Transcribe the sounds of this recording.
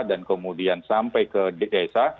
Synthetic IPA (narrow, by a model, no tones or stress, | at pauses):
dankəmudiansampajkədeasa